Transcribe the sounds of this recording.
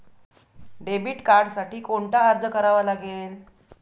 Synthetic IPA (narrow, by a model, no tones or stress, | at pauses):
ɖebiːʈkaɾɖsaʈiːkoɳʈaːɾd͡zəkəɾaʋalaɡel